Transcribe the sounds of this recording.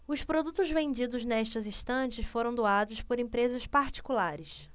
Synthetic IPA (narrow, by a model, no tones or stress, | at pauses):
ʊspɾod̪ut̪ʊzvẽnd͡ʒid̪ʊznɛʃt̪ɐzĩʃt̪ɐ̃t͡ʃɪsfoɾɐ̃w̃d̪oad̪ʊspoɾẽmpɾezɐspaɾt͡ʃi̥kulaɾɪs